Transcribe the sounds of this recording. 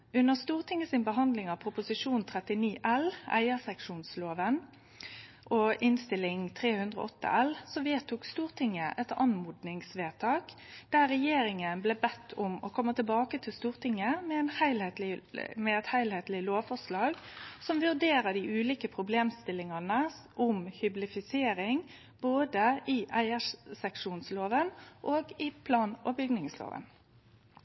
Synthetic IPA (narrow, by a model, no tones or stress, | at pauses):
ʉnːəʁst̪uːʁt̪ʰɪŋːəsɪnbəɦɑnd̪lɪŋɑpʰɾʊpʊsɪʂuːnt̪ʰʁɛt̪ɪniːʔɛlæ̰ɪəsɛkʂuːnsloːʋən | ʔɔʔɪnst̪ɪlːɪŋt̪ʰʁeːhʉnd̪ʁəɔ̰ʔɔt̪ːə̰ʔɛlsɔʋeːt̪ʰuːkst̪uːʁt̪ʰɪŋːəʔɛt̪ɑnmuːd̪nɪŋsʋeːt̪ʰɑːk | d̪̥æːʁɛjeːɾɪŋənblɛːbɛt̪ʰːʊmɔkʰɔmːət̪ɪlbɑːkət̪ʰɪlst̪uːʁt̪ʰɪŋːəmɛɛnhæɪlhet̪lɪmɛɛt̪hæɪlheːt̪lɪloːʋfɔʂlɑːɡsɔmʋʉʁd̪eːɾəd̪ɪʔʉːliːkəpʰɾʊbleːmst̪ɪlːɪŋɑnə | ʔʊmhʏblɪfɪseːɾɪŋ | boːd̪əɪʔæɪæʂsɛkʂuːnsloːʋənʔoːɡɪpʰlɑːnɔbʏɡnɪŋslo̰ːʋə̰n